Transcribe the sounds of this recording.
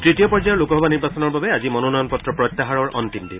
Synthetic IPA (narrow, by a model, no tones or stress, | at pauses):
tɹitijɔpɔɹd͡ʒajɔɹlukɔɦɔbaniɹbasɔnɔɹbabɛazimɔnɔnɔjɔnpɔtɹɔpɹɔt̪ːaɦaɹɔɹʔɔ̰ntimdi